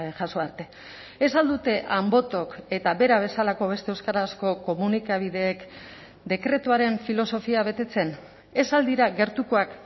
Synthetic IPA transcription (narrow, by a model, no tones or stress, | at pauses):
ʝaso̞aɾt̪e̞ | esald̪ut̪e̞ʔambo̞t̪o̞ke̞t̪aβe̞ɾaβ̞e̞salako̞β̞e̞st̪eewskaɾasko̞ko̞munikaβ̞ið̞e̞ːk | d̪e̞kɾe̞t̪uaɾe̞ɱfilo̞so̞fiaβe̞t̪e̞t͡se̞n | e̞sald̪iɾaɣe̞ɾt̪uko̞ak